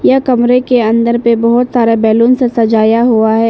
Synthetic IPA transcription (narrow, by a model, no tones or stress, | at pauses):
jakɐmɾekeɐ̃nd̪əɾpebɐɦʊt̪saːɾebɛːluːnsesɐd͡ʒaːjaɦuaɦɛː